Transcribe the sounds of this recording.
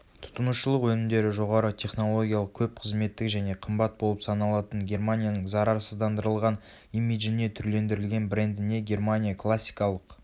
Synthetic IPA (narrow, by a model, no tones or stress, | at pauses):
t̪ʰʊ̥t̪ənuʃəlˠəqwɵnɪmd̪e̞ɾɪʒo̞ʁɑɾət̪ʲʰe̞χno̞lˠo̞ɡʲijalˠəq̚kʲʰɵp̚qʰəzme̞t̪ːɪkʒæne̞qʰəmbɑt̪̚bo̞lˠəpsɑnɑlˠɑt̪ənɡʲe̞rmanʲijanəɴzɑɾɑɾsəzd̪ɑnd̪əɾəlˠʁɑn | ijmid̪ʒɪne̞t̪ʰʏɾle̞nd̪ɪɾɪlɡʲe̞nbɾe̞nd̪ɪne̞ɡʲe̞rmanʲijakʰlˠasʲːi̥jkɑlˠəq